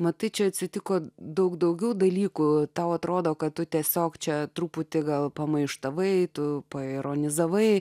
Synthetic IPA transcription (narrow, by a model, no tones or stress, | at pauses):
mɐt̪ɐɪt͡ʃʲɛɐt̪ʲsʲɪt̪ʲɪkoːd̪ɐʊkd̪ɐʊɡʲɛʊd̪ɐlʲiːkut̪ɐʊɐt̪ɾoːd̪oːkɐt̚t̪ʊt̪ʲiɛsʲoːkt͡ʃʲɛt̪ɾuːpʊt̪ʲɪɡɐlˠpɐmɐɪʃt̪ɐʋɐɪt̪ʊpɐɪɾoːnʲɪzɐʋɐɪ